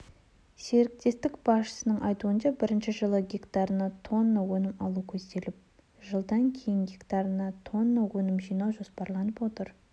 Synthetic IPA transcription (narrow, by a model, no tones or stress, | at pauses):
se̞ɾɪk̚t̪e̞st̪ɪkb̥ɑsʃə̥sənəɴʔɑjt̪uənʃɑbɪɾɪnʃɪʒəlˠəɡʲekt̪ɑɾənɑt̪ʰo̞nːowɵnɪmɑlˠukʲʰɵzd̪e̞lɪp̚ | ʒəlˠd̪ɑŋkʲʰe̞jɪŋɡʲekt̪ɑɾənɑt̪ʰo̞nːowɵnɪmʒijnɑʒo̞spɑɾlˠɑnəpwo̞t̪əɾ